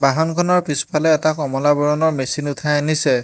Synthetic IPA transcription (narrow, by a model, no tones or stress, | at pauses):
baɦɔnkʰɔnɔɹpispʰalɛːtakɔmɔlabɔɹɔnɔɹmesinʊtʰajanisɛ